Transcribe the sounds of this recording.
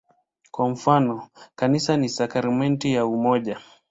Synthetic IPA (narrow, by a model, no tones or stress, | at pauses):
kwam̩fanɔkanisanisakaɾimɛntijaumɔʄa